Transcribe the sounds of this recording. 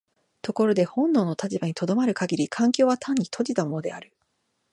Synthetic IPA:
t̪o̞ko̞ɾo̞d̪e̞hõ̞nːo̞ːno̞t̪at͡ɕibaɲ̟it̪o̞d̪o̞maɾɯ̟kaɡʲiɾʲikʰãŋkʲo̞ːβat̪ʰãɲ̟ːit̪ʰo̞d͡ʑit̪amo̞no̞d̪e̞aɾɯ̟

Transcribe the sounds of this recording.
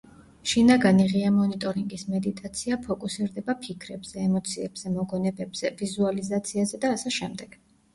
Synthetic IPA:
ʃinaɡaniʁiamɔnit̪ʼɔɾiŋɡismɛd̪it̪ʼat̪sʰiapʰɔkʼusiɾd̪ɛbapʰikʰɾɛbz̥ɛːmɔt̪sʰiɛbz̥ɛmɔɡɔnɛbɛbz̥ɛvizualizat̪sʰiazɛd̪aːsɛʃɛmd̪ɛɡ̥

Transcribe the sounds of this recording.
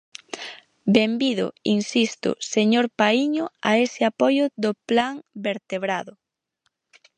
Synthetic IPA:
bembiðʊ̰insist̪ʊ̰seɲoɾpaiɲʊaesɪapɔjʊðoplaŋbeɾt̪eβɾaðʊ

